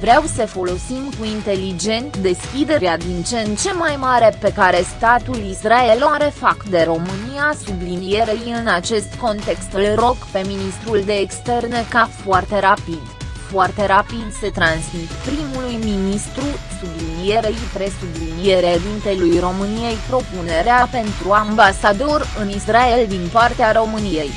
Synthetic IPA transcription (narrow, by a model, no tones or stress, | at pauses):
vɾeawsəfo̞lo̞simkuint̪e̞lid͡ʒe̞nt̪d̪e̞skʲid̪e̞ɾead̪int͡ʃent͡ʃe̞majmaɾe̞pe̞kaɾe̞st̪at̪ulisraeloɾe̞fakd̪e̞ɾo̞mɨniasublinije̞ɾejɨnat͡ʃe̞st̪ko̞nt̪e̞kst̪ɨlro̞kpe̞minist̪ɾuld̪e̞ːkst̪e̞rnəkafoart̪e̞ɾapid̪ | foart̪e̞ɾapid̪se̞t̪ɾansmit̪pɾimulujminist̪ɾusublinije̞ɾepɾe̞sublinije̞ɾed̪int̪elujro̞mɨnije̞jpɾo̞pune̞ɾeape̞nt̪ɾuambasad̪o̞rɨnisrae̞ld̪inpart̪eaɾo̞mɨnije̞j